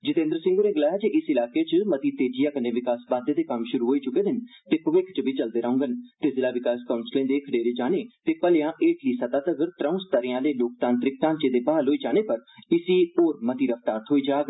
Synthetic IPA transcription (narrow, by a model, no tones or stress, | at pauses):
d͡ʒɪt̪ẽnd̪əɾsɪ̃ŋɡoːneːɡəlaːjaːd͡ʒeʔɪsɪlaːkeːt͡ʃəmət̪iːt̪eːd͡ʒɪjaːkənːeːʋɪkaːsbãːd̪eːd̪eːkəmʃʊɾuːɦoːiːt͡ʃʊkeːd̪ɪnt̪eːpʊʋɪkʰt͡ʃbʱiːt͡ʃəld̪eːɾəʊ̃ŋɡənt̪eːzɪlaːʋɪkaːskaːʊnslẽːd̪eːkʰəɖeːɾeːd͡ʒaːneːt̪eːpəlejãːʔeːʈliːsət̪aːt̪əɡəɾt̪ɾə̃ũːst̪əɾɪjãːleːloːk̚t̪ãːnt̪ɾɪk̚ʈ̪ãːnt͡ʃeːd̪eːpaːlɦoːiːd͡ʒaːɽ̃eːpəɾɪsiːoːɾmət̪iːɾəft̪aːɾt̪ʰɦoːiːd͡ʒaːɡ